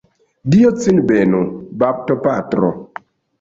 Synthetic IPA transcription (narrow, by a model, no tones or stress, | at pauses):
diɔt͡sinbɛnubap̚tɔpatɾɔ̰